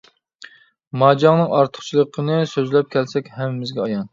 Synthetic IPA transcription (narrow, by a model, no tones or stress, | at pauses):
mɑːd͡ʒɑŋnɨŋɑɾt̪ʰə̥χt͡ʃʰilˠəqʰːənɨsøzlɛp̚kʲʰɛlsɛkʲhɛmɪmɪzɡʲɛɑjɑn